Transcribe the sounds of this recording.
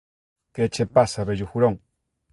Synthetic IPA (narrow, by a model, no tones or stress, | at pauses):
ket͡ʃepasaβeʎuxuɾoŋ